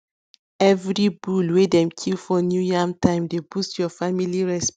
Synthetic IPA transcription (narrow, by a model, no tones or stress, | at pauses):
ɛvɹibulwedɛ̃mkʰilfɔnjujamtʰãɪ̃mdebustjɔfamiliɹɛsp